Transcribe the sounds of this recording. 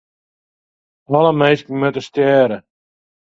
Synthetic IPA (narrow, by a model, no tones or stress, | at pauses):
ɔləmejskəmøtəstjɛːɾə